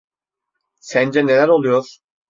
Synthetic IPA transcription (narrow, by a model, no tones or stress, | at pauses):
sænd͡ʒɛnelæɾolˠujoɾ